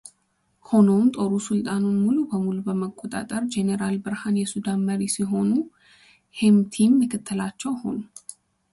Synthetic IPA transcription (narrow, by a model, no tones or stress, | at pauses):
ho̞no̞mt̪ʼo̞ɾusɨlt̪ʼanunmulubəmulubəməkʼːot̪ʼa̰t̪ʼəɾd͡ʒeneɾalbɨɾhanjɛsud̪anməɾisiɦo̞nu | hemt̪ʰimːɨkʰɨt̪ʰːɨlat͡ʃːɛwho̞nu